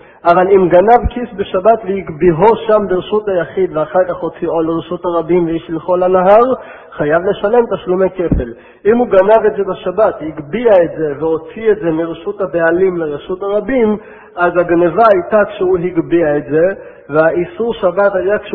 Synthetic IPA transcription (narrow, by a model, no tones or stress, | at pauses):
ʔavalimɡanavkisbeʃabatvehiɡbiɦo̞ʃambeʁeʃuthajaχid̪veaχaʁkaχho̞t͡siʔo̞leʁeʃuthaʁabimvejiʃleχolanaɦaʁ | χajavle̞ʃale̞mt̪aʃlumeke̞fe̞l | imhuɡanave̞tzebeʃabathiɡbiaetze̞veho̞t͡sietze̞miʁeʃuthabealimleʁeʃuthaʁabim | azaɡnevaːjtakʃeuɦiɡbiaetze̞ | veaʔisuʁʃabathajakʃe